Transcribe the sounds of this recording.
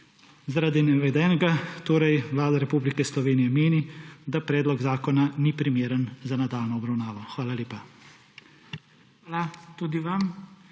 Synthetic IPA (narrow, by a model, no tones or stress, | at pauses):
zaɾaːd̪inɛʋɛd̪ɛːnɛɡat̪oːɾajʋlaːd̪aɾɛpublikɛslɔʋeːnijɛmeːnid̪apɾɛːd̪lɔɡzaːkɔnanipɾimjeːɾənzanad̪aːlnɔɔbɾawnaːʋɔxʋaːlaljeːpa | aːlat̪uːd̪iʋam